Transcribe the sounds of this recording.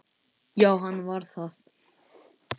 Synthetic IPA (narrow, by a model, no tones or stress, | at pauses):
jaːwɦanːvaɾ̥θað